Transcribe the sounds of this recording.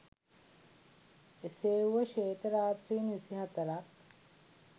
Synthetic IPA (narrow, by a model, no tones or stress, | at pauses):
eseːuʋəʃeːt̪əɾaːt̪ɾiːnisiɦɐt̪əɾak